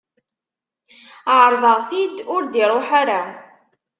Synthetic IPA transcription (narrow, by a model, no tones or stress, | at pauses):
ʕəɾˤðˤəʁθid̪ʊɾd̪iɾˤoħaɾa